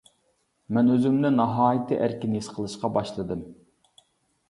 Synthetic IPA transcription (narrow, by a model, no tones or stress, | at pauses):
mɛnøzymnɪnɑɦɑːjit̪ʰɨʔæɾkʲinɪisqʰəlˠɨʃqɑbɑʃlˠɨd̪ɨm